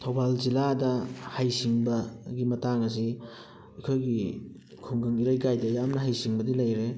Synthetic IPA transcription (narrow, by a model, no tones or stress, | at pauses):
tʰawbalziladɐhajsiŋbɐɡimɐtaŋɐs̬i | ɐkʰojɡi | kʰoŋɡɯŋiɾajɡajdɐjamnɐɦajsiŋbɐdilɐjɾe